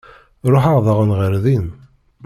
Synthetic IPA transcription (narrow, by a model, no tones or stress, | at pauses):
ɾˤoħaʁðəʁənʁəɾðin